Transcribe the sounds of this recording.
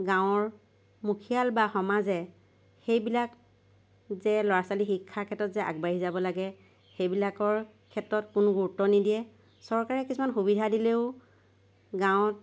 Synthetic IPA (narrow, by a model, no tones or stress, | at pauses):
ɡãwɔɹ | mukʰijalbaxɔmazɛ | xejbilak | zɛlɔɹasalixikʰːakʰɛtːɔtzɛʔa̰ɡbaɹizabɔlaɡɛ | xejbilakɔɹ | kʰɛtɹɔtkʊnʊɡuɹtɔnidijɛ | sɔɹkaɹɛkisumanxubidʱadileʊ | ɡãw̃ɔt̚